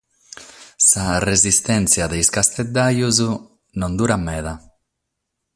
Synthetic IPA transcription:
sarezist̪ɛnt̪sjad̪ejskast̪ed̪ːajuzu | nõnd̪uɾamːɛða

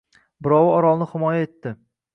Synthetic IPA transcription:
bɪɾɒwɪɒɾɒlˠnɪhɪmɒjae̞t̪ːɪ

